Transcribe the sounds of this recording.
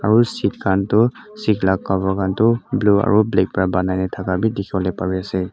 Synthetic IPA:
aɹusikkantʊ | siklak̚kabakantʊblua̰ɹublɛk̚pɔɹabanajnatʰakabidɛkʰibɔlɛpaɹiasɛ

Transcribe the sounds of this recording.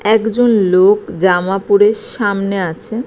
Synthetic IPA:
ɛkd͡ʑonlokd͡ʑamapuɾeɾʃamneat͡ɕʰe

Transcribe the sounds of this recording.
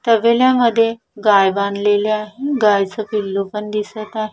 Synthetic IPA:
t̪əʋeljaməd̪ʱːje | ɡajbanleleaɦeɡajt͡səpilːopəɳd̪isət̪aɦe

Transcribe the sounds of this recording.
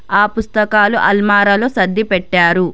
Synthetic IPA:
aːpust̪ɐkaːluʔɐlmaːɾɐloːsɐd̪ːipɛʈːaːɾu

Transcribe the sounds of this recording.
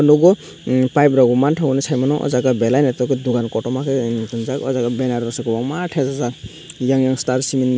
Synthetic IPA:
ɔnɔɡɔ | pajbɾaɡumantʰaɡɔnɛsʰajmanɔʔɔ̰zaɡabɛlajnɛtɔkɛd̪uɡankɔtɔmakɛitɯnzakɔ̰zaɡabɛnaɾɔsɔkɔbɔŋmaʈʰɛzaza | jaŋjaŋstaɾsimin

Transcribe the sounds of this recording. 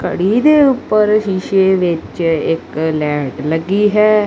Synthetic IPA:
kə̰ɽid̪eːʊpːəɾʃiːʃeʋɪt͡ʃɪklɛːɖləɡːiːɦɛː

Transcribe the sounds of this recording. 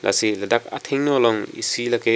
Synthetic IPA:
lʔa̰silɐdak̚a̰t̪ʰeŋnɔlɔŋḭsilɐke

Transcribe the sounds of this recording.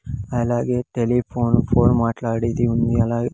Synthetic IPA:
ɐlaːɡeːʈelipʰoːnpʰoːnmaːʈlaːɽid̪iund̪iɐlaːɡ

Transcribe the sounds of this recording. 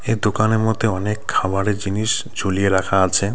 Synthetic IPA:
eɾd̪okaneɾmɔd̪ʱeɔnekʰːabaɾeɾd͡ʑiniʃ | d͡ʑʱolieɾakʰaat͡ɕʰe

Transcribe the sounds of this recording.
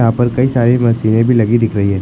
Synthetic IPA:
ɦãːpɐɾkɐisaːɾimɐsiːnẽbʱilɐɡid̪ɪkʰɾɐɦiɦɛː

